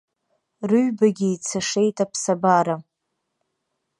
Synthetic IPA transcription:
rɨɥbaɡʲiːt͡sʰaʂejtʼapʰsabaɾa

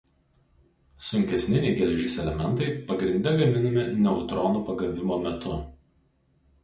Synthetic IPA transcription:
sʊŋʲkʲɛsʲnʲɪnʲeɪɡʲɛlʲɛʒʲɪːsʲɛlʲɛmʲɛnˑt̪ɐɪpɐɡɾʲɪnʲd̪ʲɛɡɐmʲɪnɐmʲɪnʲɛʊt̪ɾɔːnuːpɐɡɐʋʲɪmoːmʲɛt̪ʰʊ

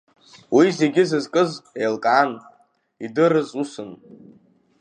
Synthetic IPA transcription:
wize̞ɡʲɪzɨzkʼɨzejlkʼaːn | idɨɾɨzusɨn

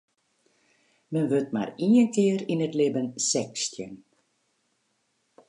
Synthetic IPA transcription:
mənʋøtma̰riənkɪːəɾinətlɪbənsɛkstjən

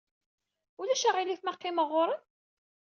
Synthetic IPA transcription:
ʊlæʃæʁiliθmæqːiməʁːoɾˤən

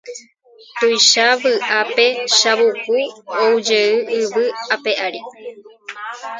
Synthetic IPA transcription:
t̪ujʃaβɨʔape̞ʃaβupuoud͡ʒeɨɨʋɨape̞ʔaɾi

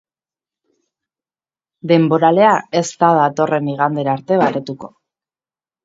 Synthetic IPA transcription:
d̪e̞mbo̞ɾale̞ae̞st̪aðat̪o̞rʔe̞miɣ̞and̪e̞ɾaɾt̪e̞βaɾet̪uko̞

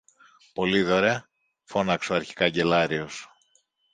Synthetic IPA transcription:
po̞liðoɾe | fo̞nɐksoɐɾçi̥kɐɟe̞lɐɾios

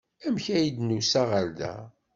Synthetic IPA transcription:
æmçæjid̪nusæʁəɾd̪æ̰

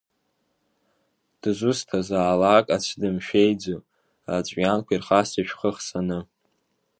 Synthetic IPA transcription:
d̥ɨzʷustʰazaːlakʼat͡ɕʷʰdɨmʃᶣejd͡zo | at͡ɕʷʼjankʷʰairχasɨʃᶣχəχsanɨ

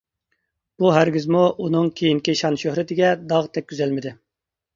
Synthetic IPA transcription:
b̥uɦæɾɡʲizmuʔunɨŋkʲʰejinkʲiʃɑnʃøhɾɪt̪ʰɪɡʲɛd̪ɑʁt̪ʰɛk̚ʲkʰʲyzɛlmɪd̪ɪ

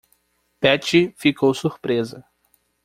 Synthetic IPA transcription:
pɛt͡ʃifikʰowsuɾpɾezɐ

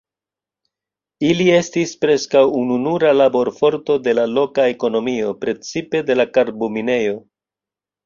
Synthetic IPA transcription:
ilie̞stispɾe̞skawununuɾalabo̞ɾfo̞ɾto̞de̞lalo̞kae̞ko̞no̞mio̞pɾe̞t͡sipe̞de̞lakaɾbomine̞jo̞

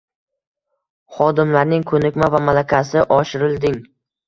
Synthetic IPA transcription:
χɒd̪ɪmlaɾnɪŋkʰɵnɪkʲmavamalakʲʰasɪʔɒʃɪɾɪld̪ɪŋ

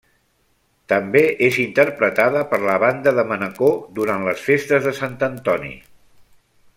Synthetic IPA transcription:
t̪əmbeʔezint̪əɾpɾət̪aðəpəɾləβand̪əðəmənəkod̪uɾanləsfest̪əzðəsant̪ənt̪ɔnḭ

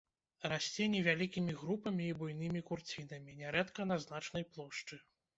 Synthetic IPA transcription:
rasʲt͡sʲɛnʲɛvʲalʲikʲimʲiɣɾupɐmʲiːbujnɨmʲikurt͡sʲinɐmʲinʲɛɾɛt̪kɐnɐznat͡ʂnɐjplˠɔʂt͡ʂɨ

